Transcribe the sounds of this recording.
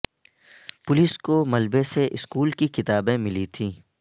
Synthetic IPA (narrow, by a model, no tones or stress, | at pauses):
pʊliskomɐlbeseʔɪskuːlkikɪt̪aːbẽmɪlit̪ʰiː